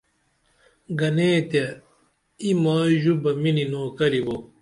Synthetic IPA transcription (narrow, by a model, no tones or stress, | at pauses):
ɡɐneːt̪e | imaːʑubɐmininoːkɐɾibo